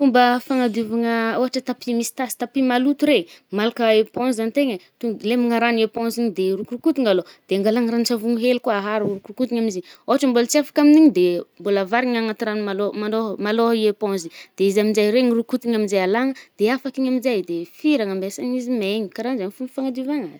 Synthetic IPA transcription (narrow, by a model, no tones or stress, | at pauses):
fumbəfaŋad̪uvaŋəoɦaʈ͡ʂət̪apimisi̥t̪asi̥t̪apimalut̪uɾemalakəepõzant̪eŋət̪ulemiŋaɾanepõziɲid̪erukrukut̪iŋalod̪̥eaŋɡalaŋɾant͡ʃavuŋuɦelikuaaɦaɾurukrukut̪iɲamizioɦaʈ͡ʂəmbolət͡siafḁkaminiɲid̪embolavaɾiŋaŋat̪iɾanumalomanoɦmaloɦiepõnzid̪̥eizamind͡ʒajɾeɲirukut̪iɲaminzajalaŋəd̪̥eafakiɲaminzajd̪efiɾaŋambesaŋizimeɲikaɾanzaɲfumifaŋad̪uvaŋaz̥